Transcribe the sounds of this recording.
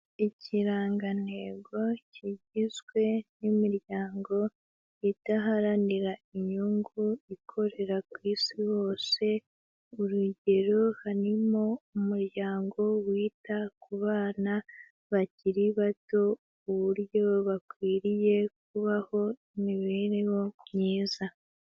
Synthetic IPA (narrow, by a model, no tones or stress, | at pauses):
iciɾaːŋɡane̞ɡo̞ciɟizɡwe̞nimiɾjaːŋɡo̞ | itaɦaɾaniɾaiɲuŋɡuikʰo̞ɾe̞ɾakwiːsiwo̞ːse̞ | uɾuɟe̞ɾohaɾimo̞umuɾjaːŋɡo̞wiːtakuβaːna | βaciɾiβato̞ | uβuɾjo̞βakwiːɾije̞k̚uβaho̞imiβe̞ːɾewo̞mɲiːza